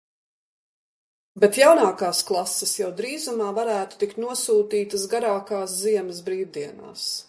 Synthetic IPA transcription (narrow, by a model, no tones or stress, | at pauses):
bet̪jawnaːkaːsklˠasːɛsjawd̪ɾiːzumaːvaɾæːt̪u̥t̪ikt̪nuɔsuːt̪iːt̪ɐsɡaɾaːkaːs̬ziɛmɐs̬bɾiːwd̪iɛna̰ːs